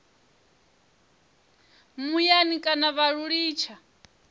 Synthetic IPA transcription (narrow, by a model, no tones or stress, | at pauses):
mujanikʼanaβaɺuɺiːt͡ʃʰa